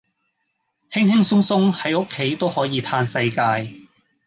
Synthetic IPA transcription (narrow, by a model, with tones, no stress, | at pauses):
hɪ˥ŋhɪ˥ŋsʊ˥ŋsʊ˥ŋhɐ˨˥jʊ˥kʰːe˨˥jt̪o˥whɔː˨˥jiː˨˧t̪ʰaː˧nsɐ˧jkaː˧j